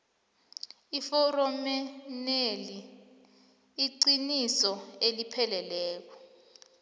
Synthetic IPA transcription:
ifɔrɔmɛneli | ǀinisɔelipʰɛlɛlɛːk̬ɔ̥

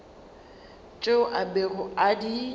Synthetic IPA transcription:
t͡ʃʼeʊʔaberʊadi

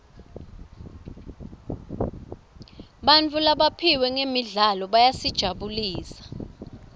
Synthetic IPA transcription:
ɓant͡fʰʼulaɓapʰiwɛŋemiɮalɔɓajasid̥ʒ̥ʱaɓuliːsḁ

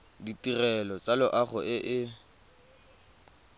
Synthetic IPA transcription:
ditʼirɛlɔt͡sʼalʊʔaχʊʔɪʔɪ

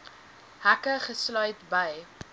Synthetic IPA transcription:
hækəχəslœɥtbəj

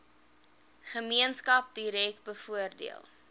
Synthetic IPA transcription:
χəmiənskɐp̚diɾɛk̚tbəfuərdḭəlˠ

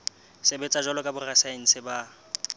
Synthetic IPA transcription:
sɪbɛt͡sʼaʒɔlɔkʼabʊrasaeŋ̩sɪba

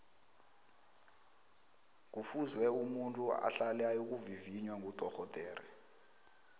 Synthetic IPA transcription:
k̬ufuzwɛumuntʼua̰ɬalɛajok̬uviviɲwaŋutʼɔxɔtʼɛːɾɛ̰

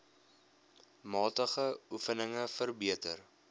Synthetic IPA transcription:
mɑːtəχəufənəŋəfərbiətər

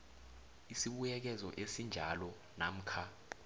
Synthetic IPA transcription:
isiɓujɛk̬ɛzɔ̰ʔesind͡ʒʱalɔ | na̰m̩kʰa

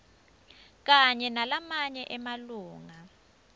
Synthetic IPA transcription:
k̬aɲɛnalamaɲɛʔɛmaluːŋa

